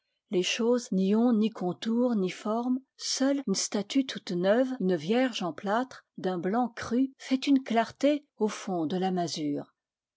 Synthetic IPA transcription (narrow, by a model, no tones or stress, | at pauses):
leʃozniɔ̃nikʰɔ̃t̪uʁnifɔʁmsœlynst̪at̪yt̪ʰut̪nœvynvjɛʁʒɑ̃plat̪χd̪ɛ̃blɑ̃kχyfɛt̪ynklaʁt̪e | ofɔ̃d̪əlamazyːʁ